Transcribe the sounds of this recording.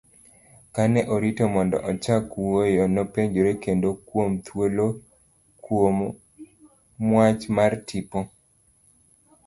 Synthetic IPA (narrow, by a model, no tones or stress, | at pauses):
kanɛʔoɾitomɔndɔ̰ʔɔt͡ʃakwojɔnopeɲd͡ʒoɾekendokwomt̪ʰwolo | kwom | mwat͡ʃmartʰipo